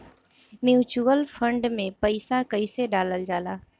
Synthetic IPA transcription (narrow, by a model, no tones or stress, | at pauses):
mjuːt͡ʃuːəlfʰə̃ɳɖmẽpəɪsakəiseɖaːləld͡ʒaːlaː